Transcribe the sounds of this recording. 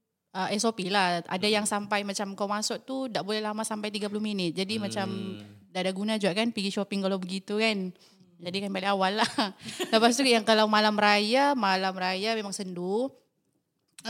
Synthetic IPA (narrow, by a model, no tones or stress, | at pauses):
əɛsopilahʔa̰dajaŋsampajmat͡ʃamkawmasʊʔ̚t̪udaʔbolɛhlamasampajt̪iɡap̬ulʊhminɪt̪̚d͡ʒadimat͡ʃamdaʔːdaɡunad͡ʒuɡaʔkanpiɡiʃopɪŋkalawbəɡit̪ukan | d͡ʒadikanbalɪawalːaləpas̬t̪ujaŋkalawmalamrajamalamrajamemaŋsəndu